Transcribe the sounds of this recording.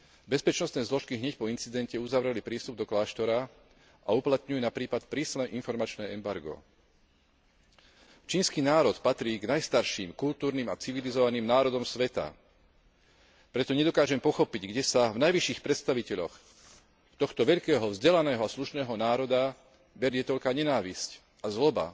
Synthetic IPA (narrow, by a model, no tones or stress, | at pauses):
bɛspɛt͡ʃnɔst̪nɛːzlɔʃkiɦɲɛc̚pɔint͡sid̪ɛncɛuzaʋɾɛlipɾiːst̪ub̚d̪ɔklaːʃt̪ɔɾa | ʔauplat̪ɲujuːnapɾiːpat̪pɾiːslɛːʔinfɔɾmat͡ʃnɛːɛmbaɾɡɔ̰ | t͡ʃiːnskiːnaːɾɔt̪pat̪ɾiːɡnajst̪aɾʃiːmkult̪uːɾniːmat͡siʋilizɔʋaniːmnaːɾɔd̪ɔmsʋɛt̪a̰ | pɾɛt̪ɔɲɛd̪ɔkaːʒɛmpɔxɔpiɟɡɟɛsavnajʋiʃːiːxpɾɛt̪st̪aʋicɛʎɔ̰x | t̪ɔxt̪ɔʋɛʎkɛːɦɔvzɟɛlanɛːɦɔasluʃnɛːɦɔnaːɾɔd̪a | bɛɾɪɛt̪ɔʎkaɲɛnaːʋisc | azlɔba̰